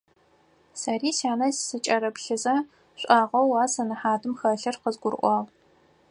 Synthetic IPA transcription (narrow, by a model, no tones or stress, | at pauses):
sɐriːsaːnɐzsɨt͡ʃʼɐɾɐpɬɨzɐ | ɕʷʼaːʁɐwːaːsɐnɨħaːdɨmxɐɬɐrqəzɡʷʊrʔʷɑːʁ